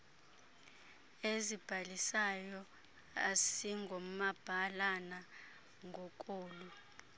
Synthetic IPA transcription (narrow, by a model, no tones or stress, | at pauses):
ezib̥ʱalisajɔ | asiŋɡʱom̩mab̥ʱalana | ŋɡʱɔk̬ʼoːlu